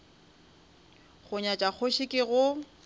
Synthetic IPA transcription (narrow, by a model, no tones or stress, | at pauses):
χʊɲat͡ʃʼak͡xʰoʃɪkʼɪɣʊ